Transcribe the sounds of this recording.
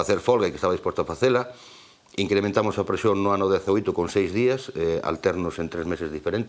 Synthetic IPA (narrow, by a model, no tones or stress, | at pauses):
aθeɾfɔlɣɐikest̪aβɐðispost̪oafaθelɐ | iŋkɾemẽnt̪amʊsapɾesjoŋnʊanʊðɛθaojt̪ʊkoŋsejzðiɐsɛa̰lt̪ɛɾnʊsent̪ɾezmesezðifeɾent̪